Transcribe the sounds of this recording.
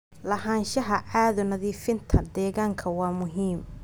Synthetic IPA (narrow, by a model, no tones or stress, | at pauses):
lɐɦaːnʃɐɦɐaːðʊnɐðiːfɪnt̪ʰɐd̪ɛːɣaːŋkʰɐwɑːmʊɦiːm